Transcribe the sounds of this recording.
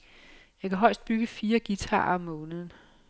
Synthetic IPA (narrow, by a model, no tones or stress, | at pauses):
jɑ̈ɪkʰæɦɒ̽ɪ̰sd̥̚b̥yɡ̥əfiːɐɡ̥it͡sʰɑ̰̈ːɒmːɔ̽ːnəð̞ˠn̩